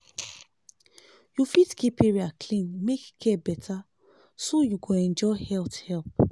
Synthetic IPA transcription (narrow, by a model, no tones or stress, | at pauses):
jufitkʰipeɹiakʰlĩnmekkʰːɛbɛtʰa | sojuɡoɛ̃nd͡ʒɔhɛlthɛlp̚